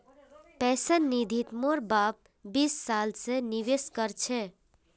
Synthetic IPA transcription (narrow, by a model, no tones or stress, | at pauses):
pɛsənːid̪ʱit̪moɾbap̚ | bisːalseniʋeskəɾt͡ʃʰɛ